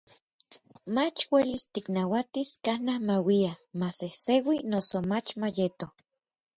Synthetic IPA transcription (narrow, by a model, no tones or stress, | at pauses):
mat͡ʃwelist̪iknawat̪iskanahmawiamasehsewinosomat͡ʃmajet̪o